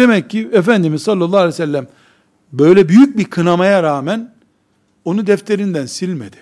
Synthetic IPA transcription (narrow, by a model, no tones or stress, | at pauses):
d̪emɛcːiefænd̪imizssɑlːɑlˠːɑːalʲɛsælʲːæm | bø̞jlʲɛbyjyc̚biɾkʰɯnamajaɾaːmæn | o̞nud̪ɛft̪ʰe̞ɾind̪ænsilʲmḛd̪ɪ̥